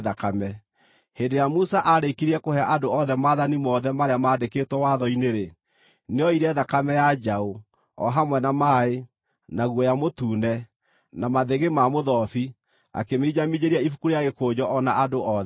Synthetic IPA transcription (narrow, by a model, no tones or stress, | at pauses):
ðakamɛ | hendeɾejamusaʔaɾekiɾiɛkohɛaʔadoɔðɛmaðanimɔːðɛmaɾeamaːdekeːtwɛwaðɔineɾe | neɔiɾɛðakamɛjad͡ʑao | ɔ̰ɦamwɛnamaːe | naɣwɔjamotuːnɛ | namaðeɣemamoðɔfi | a̰kemeid͡ʑamid͡ʑeɾiaifu̥kuɾejaɣekoːd͡ʑɔʔɔnaadoʔɔðɛ